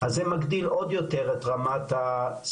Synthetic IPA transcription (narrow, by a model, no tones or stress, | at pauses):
azemaɡd̪ilo̞d̪jot̪eʁet̪ʁamat̪as